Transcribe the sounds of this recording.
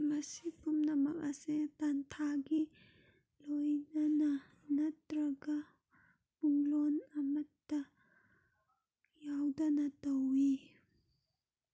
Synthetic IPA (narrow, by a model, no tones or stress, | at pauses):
mɐsipʰumnɐmɐk̚ɐsetantʰaɡi | lojnɐnɐ | nɐtɾɐɡa | puŋlonɐmɐtːɐ | jawdɐnɐtɐwi